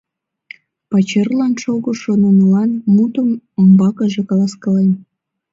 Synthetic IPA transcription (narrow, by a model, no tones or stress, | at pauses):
pɑt͡ɕerlɑnʃoɣoʃonənəlɑnmut̪əməmbɑkəʒekɑlɑskɑlen